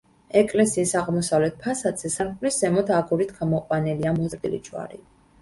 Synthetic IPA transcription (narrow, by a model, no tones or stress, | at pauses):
ɛkʼlɛsiːsaʁmɔsavlɛt̪̚ʰpʰasad̪zɛsaɾkʼliszɛmɔd̪ʰaɡuɾit̪ʰɡamɔqʼwanɛliamɔd̪ilḭt͡ʃʼwa̰ɾḭ